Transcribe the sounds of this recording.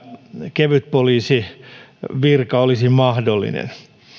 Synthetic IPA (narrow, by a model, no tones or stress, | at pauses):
keʋyt̪̚poliːsi | ʋirkɑolisimɑhdolːḭnḛn